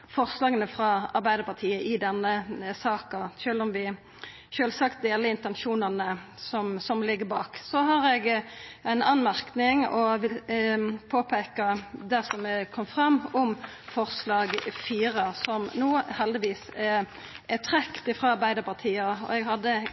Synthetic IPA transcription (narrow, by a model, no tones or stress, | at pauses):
fɔʁslɑːɡənəfɾɑɑɾbæɪd̪əɾpɑt̪ʰiːəʔɪd̪ɛnːəsɑːkɑʃøːlɔmʋɪ | ʃøːlsɑkt̪̚d̪eːləɪnt̪ɛnʃuːnənəsɔmsɔmlɪɡːəbɑːksɔɦɑɾɛɡɛɪnɑnmæʁknɪŋɔʋɪ | pʰoːpʰeːkəd̪æsɔmɛkʰɔmːfʁɑmːɔm | fɔʁslɑːɡfiːʁəsɔmnuːhɛld̪ɪʋiːsɛ | ɛt̪ʰʁɛkt̪ɪfʁɑːɑʁbæɪd̪əpɑʁt̪ʰiːəɔ̰ɛɡɦɑd̪ːə